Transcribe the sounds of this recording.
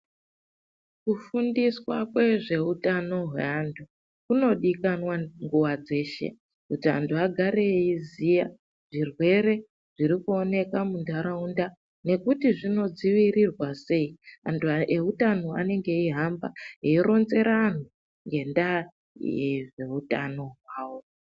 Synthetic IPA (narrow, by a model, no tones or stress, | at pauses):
kufundiswakwe̞ʐe̞utano̞ɦwḛantʰu | kuno̞ɗikanwaŋɡuwad͡ze̞ːʃe̞̰ | kutia̰ntʰuaɡʱaɾeizija̰ | ʐ̥irwe̞ɾe̞ | ʐ̥iɾikuo̞ne̞kamundʱaɾaunda | ne̞kutiʐino̞d͡ziʋiɾirwase̞ia̰ntʰueutanoa̰ne̞ŋɡe̞iɦamba̰ɦeiɾo̞nze̞ɾan̤u | ŋɡe̞nda | eʐe̞uta̰no̞ɦwaːwo